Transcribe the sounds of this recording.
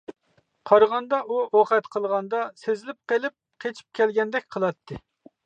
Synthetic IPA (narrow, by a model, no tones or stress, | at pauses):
qʰɑɾʁɑnd̪ɑʔuoqɛt̪qʰəlˠʁɑnd̪ɑsezɪlɪp̚qelˠɪp̚qʰet͡ʃʰi̥p̚kʲʰɛlɡʲɛnd̪ɛk̚ʲqʰəlˠɑt̪ʰːɨ